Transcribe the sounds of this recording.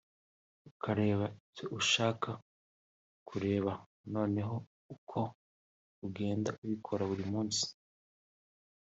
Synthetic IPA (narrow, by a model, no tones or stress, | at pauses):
ukʰaɾe̞ːβaicoʔuʃaːkʰa | kʰuɾe̞ːβa | no̞ːne̞ɦo̞ | ukʰo̞ | uɡe̞ːndaʔuβikʰo̞ɾaβuɾimuːnsi̥